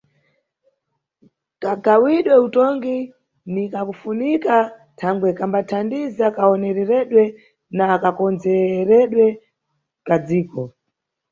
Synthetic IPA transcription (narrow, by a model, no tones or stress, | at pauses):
kaɡawiɗwɛutɔŋɡi | nikakufunika | tʰaŋɡwɛkambatʰandizakaɔnɛɾɛɾɛɗwɛ | naːkakɔnd͡zɛɾɛɗwɛ | kad͡ziːkɔ